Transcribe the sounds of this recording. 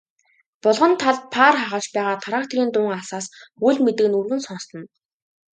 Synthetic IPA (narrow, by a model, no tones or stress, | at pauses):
pɔɮʁɞ̆nt̪ʰaɮpʰaːrχaʁə̆ɮt͡ɕpæːʁaːt̪ʰaɾaːχt̪ʰeɾiːnt̪ʊːŋasaːsujɮʲmet̪ɘ̆ɣɘ̆nurɣɘ̆nsɔnst̪ɞ̆n